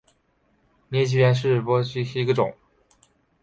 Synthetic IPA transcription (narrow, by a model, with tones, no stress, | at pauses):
nɛ˧˥t͡ɕʰi˥jɛ˧˥nʂ̬ɻ̩˥˩˨pɔ˥t͡ɕʰy˥ʂɻ̩˥˩i˧˥ɡə˧˩ʈ͡ʂʊ̰˨˩˦ŋ